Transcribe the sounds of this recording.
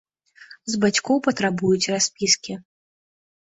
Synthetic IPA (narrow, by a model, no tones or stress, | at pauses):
zbat͡sʲkɔwpɐt̪ɾabujut͡sʲrasʲpʲiskʲi